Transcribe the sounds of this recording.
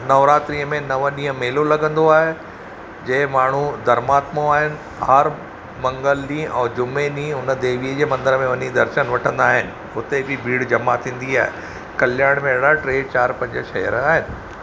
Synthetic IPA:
nɐʋɾaːt̪ɾiəmẽnɐʋəɗĩːɦə̃meːlolɐɡə̃nd̪oaːɦe | d͡ʑɐɦɪ̃maːɳ̤ud̪ɐɾmaːt̪moaːɦɪnɪ̆ | hɐɾ | mɐ̃ŋɡəlɗĩɛ̰̃ːd͡ʑʊmeɗĩːʊnəd̪eːʋiəd͡ʑeːmɐ̃nd̪əɾəmẽʋɐɲid̪ɐɾʃənʋɐʈʰə̃nd̪aːɦɪnɪ̆ɦʊt̪ebɪbʱiːɽd͡ʑɐmat̪ʰĩːn̆d̪iaːɦḛ | kɐljaːɽ̃mẽɐɽaʈɾeːt͡ɕaːɾpɐ̃ɲd͡ʑəʃɐɦjə̰ɾaːɦɪnɪ̆

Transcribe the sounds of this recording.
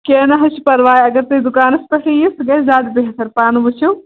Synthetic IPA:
keːnɐɦɐt͡ʃʰi̥pɐɾʋaːjɐɡɐɾt̪ɐd̪ukaːnɐspɐʈʰijisɡɐzʲaːd̪beɦɐt̪ʰɐɾpaːnubut͡ʃʰiw

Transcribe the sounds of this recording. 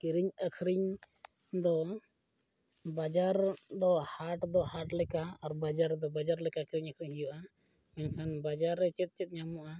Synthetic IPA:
kiɾiɲəkʰɾiɲ | d̪ɔ | bad͡ʒaɾd̪ɔhaʈd̪ɔhaʈlɛkaːɾbad͡ʒaɾd̪ɔbad͡ʒaɾlɛkakiɾiɲəkʰɾiɲɦijuʔa | mɛɲkʰanbad͡ʒaɾːɛt͡ʃɛt̪̚ˀt͡ʃɛt̪̚ɲamuʔa

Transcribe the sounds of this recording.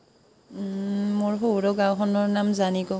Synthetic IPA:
moɹɦowɹɔɡawxɔnɔɹnamzaniɡɔ

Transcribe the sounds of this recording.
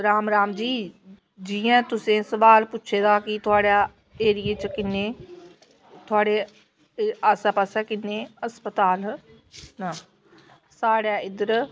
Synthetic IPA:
ɾaːmɾaːmd͡ʒiː | d͡ʒɪːãːt̪ʊsẽːsəʋaːlpʊtːʃʰeːd̪aːkɪt̪ʰʊaːɽaː | eːɾɪjeːt͡ʃkɪnːeː | t̪ʰʊaːɽeː | asaːpəsɛːkɪnːeːəspət̪aːl | naː | saːɽaːɪd̪əɾ

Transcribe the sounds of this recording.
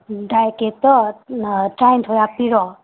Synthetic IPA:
dajket̪ɔ | ʈɾajnt̪ʰojapiɾɔ

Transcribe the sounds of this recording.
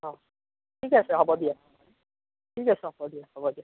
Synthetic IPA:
ɔ̃ | tʰikasɛɦɔbɔdia | tʰikasɛɦɔbɔdijahɔbɔdia

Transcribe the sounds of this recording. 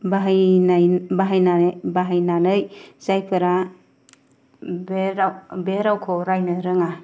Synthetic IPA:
baɦjnabaɦajnabaɦajnanɯjz̥ajpʰɯɾa | beɾawbeɾawkʰɔɾajnɯɾɯŋa

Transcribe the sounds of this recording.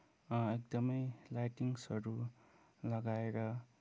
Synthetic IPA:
ek̚d̪ʌmʌjlajʈiŋsʌɾu | lʌɡaeɾʌ

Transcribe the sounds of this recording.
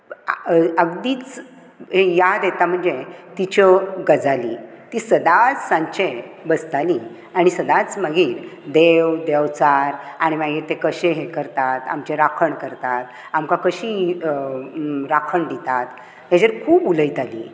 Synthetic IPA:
əɡd̪iːt͡s | ɦejad̪et̪am̤əɳd͡zet̪it͡ɕɔɡəd͡zali | t̪iːsəd̪at͡ssãɲt͡ɕebəst̪ali | aɽ̃isəd̪at͡sməɡiːɾd̪eʋd̪eʋt͡saɾaɽ̃imaɡiːɾt̪ekəɕeɦekəɾt̪at̪a̰mt͡ɕeɾakʰəɳkəɾt̪at̪ | amkakəɕiː | ɾakʰəɳɖit̪at̪ | ɦed͡ʑəɾkʰuːbuləjt̪alḭː

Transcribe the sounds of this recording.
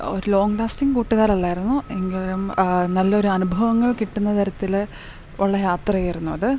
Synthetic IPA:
o̞ɾulo̞ːŋɡlaːstiŋkuːʈːuɣaːɾɐɭːaːjiɾunːueŋɡilumnɐlːɐo̞ɾuɐnubʱɐʋɐŋːɐɭkiʈːunːɐt̪ʰɐɾɐt̪ːil | ʔɐɭːɐjaːt̪rɐjiɾunːuɐðɨ

